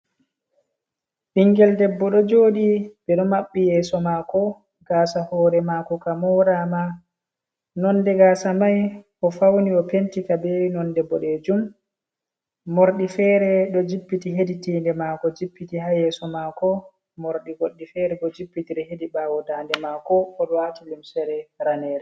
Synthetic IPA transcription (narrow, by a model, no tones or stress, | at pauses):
ʔiŋɡɛldɛbːɔɗɔd͡ʒoːɗibɛɗɔmaɓːijɛsɔmakɔ | ɡ̥aːsahɔːɾɛmakɔkamɔɾama | nɔnːdɛɡaːsamajʔɔfawniɔpentikabewinɔndɛbːɔɗɛd͡ʒum | oɾɗifɛːɾɛɗɔd͡ʒipːitiɦeditiːndɛmakɔd͡ʒipːitihajɛːsɔmaːkɔ | moɾɗiɡoɗːifɛɾɛɡɔd͡ʒipːitiɗɛhediɓaːwɔdandɛmakɔɔɗɔwatulimsɛɾɛɾanɛːɾɛ